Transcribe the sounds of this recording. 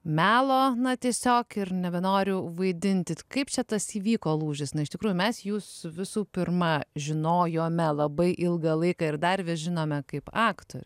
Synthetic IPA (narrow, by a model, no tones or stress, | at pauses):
mʲæːlˠoːnɐt̪ʲiɛsʲoːkɪrnʲɛbʲɛnoːɾʲʊʋɐɪd̪ʲɪnʲt̪ʲɪkɐɪpt͡ʃʲɛt̪ɐsiːʋʲiːkoːlˠuːʒʲɪsnɐɪʃt̪ʲɪkɾuːjʊmʲɛsjuːsʋʲɪsuːpʲɪrmɐʒʲɪnoːjoːmʲɛlˠɐbɐɪʔɪlˠɡɐlˠɐɪkɐɪrd̪ɐɾʲʋʲɪʒʲɪnoːmʲɛkɐɪpɑːkt̪o̰ɾʲ